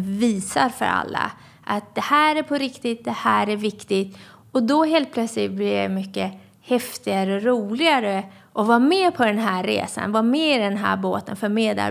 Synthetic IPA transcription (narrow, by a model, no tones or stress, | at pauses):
viːsaɾfœ̰ɾa̰lːa̰ | ʔat̪̚d̪ɛhæːɾæɾpʰɔɾɪkt̪ɪt̪̚d̪ɛhæːɾæɾvɪkt̪ɪt̪ | ɔd̪ɔɦeːlt̪pʰlœt̪slɪt̪̚blɪɾja̰mʏkːə | hɛft̪ɪɡaɾəɔɾuːlɪɡaɾə | ʔɔvɑːɾmeːpʰɔd̪ɛnɦæːɾːḛːsa̰nvɑːmeːɪd̪ɛnɦæ̰ːɾboːt̪ənfœɾmeːd̪a̰